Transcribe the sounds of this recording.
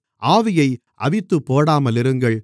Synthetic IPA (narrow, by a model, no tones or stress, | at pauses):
ʔaːʋɪjɐɪ | ʔɐ̰ʋɪt̪ːɯpːoːɽaːmɐlɪɾɯŋɡɐɭ